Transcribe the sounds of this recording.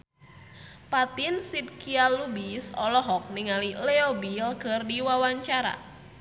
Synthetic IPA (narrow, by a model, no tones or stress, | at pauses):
pat̪insid̚kialubisɔlɔɦɔk̚niŋalilɛobilkɨrdiwawaɲt͡ʃaɾa̰